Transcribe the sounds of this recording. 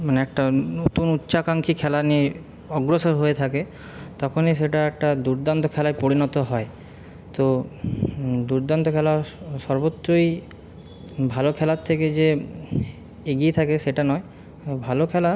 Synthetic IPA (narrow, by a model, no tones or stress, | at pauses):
maneɛk̚ʈanot̪unutːʃakaŋkʰikʰɛlanie | ɔɡɾosoɾɦoet̪ʰake | t̪ɔkʰoneʃ̬eʈaɛk̚ʈad̪uɾd̪ant̪okʰɛlaepoɾinɔt̪oɦɔe | t̪o | d̪uɾd̪ant̪okʰɛlaʃɔɾbot̪ːɾoj | bʱalokʰɛlat̪ʰeked͡ʑe | eɡiet̪ʰakeʃeʈanɔe | bʱalokʰɛla